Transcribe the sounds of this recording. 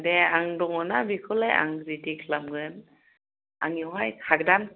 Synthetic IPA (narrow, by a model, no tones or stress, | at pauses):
dɛaŋdɔŋɔnabikʰɯlaja̰ŋɾitiklamɡɯn | ʔa̰ŋiwɦajkʰak̚dan